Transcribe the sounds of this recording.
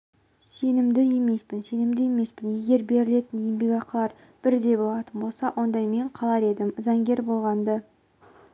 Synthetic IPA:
se̞nɪmd̪ɪje̞me̞spɪnse̞nɪmd̪ɪje̞me̞spɪnje̞ɡʲe̞ɾbe̞ɾɪle̞t̪ɪnjembiɡɑqlˠɑɾ | b̥ɪɾd̪e̞bo̞lˠɑt̪ənbo̞lˠsɑwʔo̞nd̪ɑjme̞ɴqʰɑlˠɑɾe̞d̪ɪmzɑŋɡʲe̞ɾbo̞lˠʁɑnd̪ə

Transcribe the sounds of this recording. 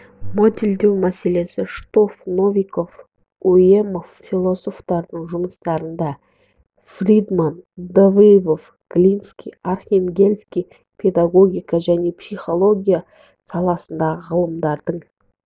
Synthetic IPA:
mo̞d̪ʲeld̪e̞wmæse̞le̞sɪʃt̪o̞fno̞vʲijko̞f | ue̞mo̞ffilˠo̞so̞ft̪ɑɾd̪əɴʒʊməst̪ɑɾənd̪ɑ | frʲid̪mand̪ovivo̞f | ɡ̥lʲinskʲijarχʲenɡʲe̞lʲskʲij | pʰe̞d̪aɡo̞ɡʲijkɑʒæne̞psijχo̞lˠo̞ɡʲija | sɑlˠɑsənd̪ɑʁəʁɑlˠəmd̪ɑɾd̪̥əɴ

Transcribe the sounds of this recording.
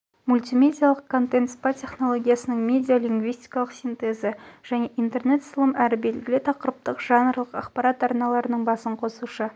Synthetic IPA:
mulʲt̪ʲimʲe̞d̪ʲijalˠəqkʰːo̞nt̪ent̪spatʲʰe̞χno̞lˠo̞ɡʲijasənəɴmʲe̞d̪ʲijolʲiŋɡvijst̪ʲi̥jkɑlˠəqsʲint̪e̞zəʒ̥æne̞ʔint̪e̞rne̞t̪səlˠəmæɾɪbe̞lɡʲɪlɪt̪ʰɑqəɾəp̚t̪əqʒ̥ɑnɾlˠəqɑ̰qpɑɾɑt̪ɑɾnɑlˠɑɾənəɴbɑsəɴqʰo̞suʃə

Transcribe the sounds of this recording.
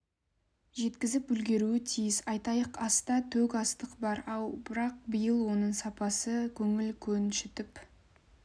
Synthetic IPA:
ʒe̞t̪kʲɪzɪp̚bʏlɡʲe̞ɾuɪt̪ʰijɪsɑjt̪ɑjəqɑst̪ɑt̪ʰɵkɑst̪əqbɑɾɑlˠbɪɾɑq̚bəjəlˠwo̞nəɴsɑpɑsəkʲʰɵŋɪlkʲʰɵnʃɪt̪ɪp

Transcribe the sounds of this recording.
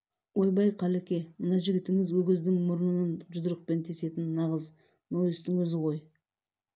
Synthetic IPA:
wo̞jbɑjqʰɑlekʲe̞mənɑʒɪɡʲɪt̪ɪŋɪzwɵɡʲɪzd̪ɪŋmʊɾənənənʒʊd̪əɾəq̚pe̞nt̪ʰe̞se̞t̪ɪnːɑʁəz | nojɪst̪ɪŋwɵzɪʁo̞j

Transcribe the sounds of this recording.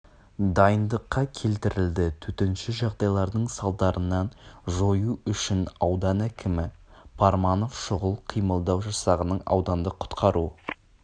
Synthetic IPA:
d̪ɑjənd̪əqːɑkʲʰe̞lt̪ɪɾɪld̪ɪt̪ʰɵt̪enʃɪʒɑʁd̪ɑjlˠɑɾd̪əɴsɑlˠd̪ɑɾʔənːɑnʒo̞juʏʃɪnɑwd̪ɑnækʲɪmɪpʰɑɾmɑno̞fʃʊʁəlˠqʰijməlˠd̪ɑwʒɑsɑʁənəɴɑ̰wd̪ɑnd̪əqʰʊ̥t̪qʰɑɾu

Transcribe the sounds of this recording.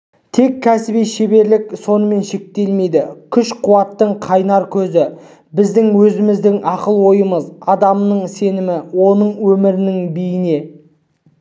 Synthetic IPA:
t̪ʰe̞kʲʰːæsɪbijʃebe̞ɾlɪkso̞nəme̞nʃe̞k̚t̪e̞lme̞jd̪ɪkʲʰʏʃqʰuwɑt̪ːəɴqʰɑjnɑɾkʲʰɵzɪ | bɪzd̪ɪŋwɵzɪmɪzd̪ɪŋʔɑqəlˠwo̞jəməzɑd̪ɑmnəɴse̞nɪmɪwo̞nəɴwɵmɪɾɪnɪŋbijɪne̞

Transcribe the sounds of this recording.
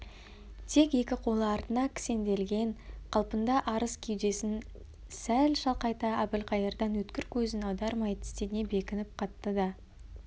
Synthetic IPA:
t̪ʰe̞ke̞kʲɪqʰo̞lˠəɑɾt̪ənɑkʲʰɪ̥se̞nd̪e̞lɡʲe̞ɴqʰɑlˠpənd̪ɑʔɑɾəskʲʰejd̪e̞sɪn | sælʃɑlˠqɑjt̪ɑæbɪlqʰɑjəɾd̪ɑnwɵt̪kʲɪɾkʲʰɵzɪnɑwd̪ɑɾmɑjt̪ʰɪ̥st̪ene̞be̞kʲɪnɪp̚qʰɑt̪ːəd̪ɑ

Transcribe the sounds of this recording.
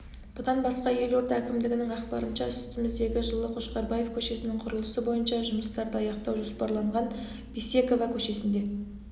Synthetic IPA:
b̥ʊd̪ɑnbɑsqɑje̞lo̞ɾt̪ɑækʲɪmd̪ɪɡʲɪnɪŋæqpɑɾənʃɑʏsʏt̪ɪmɪzd̪e̞ɡʲɪʒəlˠəqʰoʃqɑɾbɑje̞fkʲʰɵʃe̞sɪnɪŋqʰʊɾəlˠəsəbo̞jənʃɑʒʊməst̪ɑɾd̪əɑjɑqt̪ɑwʒo̞spɑɾlˠɑɴʁɑn | bise̞ko̞vɑkʲʰɵʃe̞sɪnd̪e̞

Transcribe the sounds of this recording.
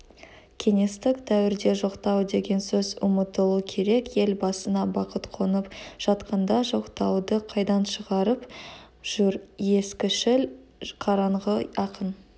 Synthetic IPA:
kʲʰe̞ŋe̞st̪ɪkt̪ʰæwɪɾd̪e̞ʒo̞qt̪ɑwd̪e̞ɡʲe̞nsɵzʊmət̪əlˠukʲʰe̞ɾe̞kje̞lbɑsənɑbɑqət̪qʰonəpʒ̥ɑt̪qənd̪ɑʒo̞qt̪ɑwd̪əqʰɑjd̪ɑnʃəʁɑɾəp | ʒ̥uɾje̞skʲɪʃɪl | qʰɑɾɑɴʁəɑqən

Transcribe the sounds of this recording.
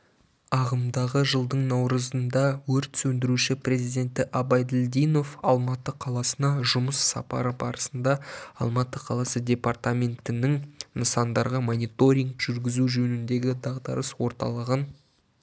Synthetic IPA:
ɑʁəmd̪ɑʁəʒəlˠd̪əɴnɑwɾəzənd̪ɑwɵɾt̪sɵnd̪ɪɾuʃɪpre̞zijd̪ʲe̞nt̪ɪʔɑbɑjd̪ɪld̪ijno̞fɑlˠmɑt̪əqʰɑlˠɑsənɑʒʊməsːɑ̰pɑ̰ɾəbɑ̰ɾəsənd̪ɑɑ̰lˠmɑt̪ːəqʰɑlˠɑsədʲe̞part̪amʲe̞nt̪ɪnɪŋnəsɑnd̪ɑɾʁəmonʲijt̪o̞ɾʲiŋkʒ̥ʏɾɡʲɪzuʒɵnɪnd̪e̞ɡʲɪd̪ɑʁd̪ɑ̰ɾəswo̞ɾt̪ɑ̰lˠəʁən

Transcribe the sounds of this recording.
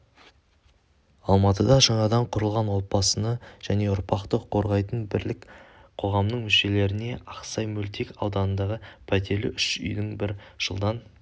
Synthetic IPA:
ɑlˠmɑt̪əd̪ɑʃəɴɑd̪ɑɴqʰʊɾəlˠʁɑnwo̞t̪̚bɑsənəʒ̥æne̞ʊɾpɑqt̪əqʰo̞ɾʁɑjt̪ənbɪɾlɪkqʰo̞ʁɑmnəɴmʏʃe̞le̞ɾɪne̞ɑqsɑjmɵlt̪ekɑwd̪ɑnənd̪ɑʁəpʰæt̪e̞ɾlɪ̰ʔʏʃʏ̰jd̪ɪŋbɪɾʒ̥ə̰lˠd̪ɑn

